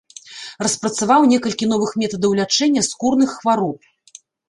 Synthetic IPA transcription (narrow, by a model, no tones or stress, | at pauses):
rɐspɾɐt̪savawnʲɛkɐlʲkʲin̪ɔvɨxmʲɛt̪ɐd̪ɐwlʲat͡ʂɛnʲːɐskurnɨxːvaɾɔp̚